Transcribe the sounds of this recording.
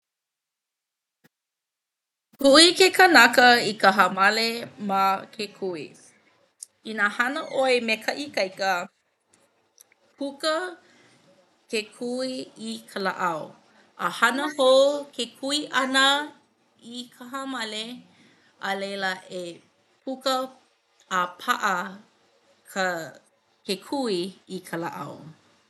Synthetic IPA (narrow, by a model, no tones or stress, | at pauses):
kʰuikekənɐkəikəɦɐmɐlemakʰekʰuḭ | inaːhɐnəʔoemekʰɐʔikɐjkə | kʰukə | kekʰuiikʰəlaʔɐo | ʔəhɐnəhokʰekʰuiʔɐnə | ikʰəɦamɐle | ɐlejləʔe | pʰukəː | pʰaʔɐ | kʰə | kekʰuiikʰəla̰ʔɐ̰w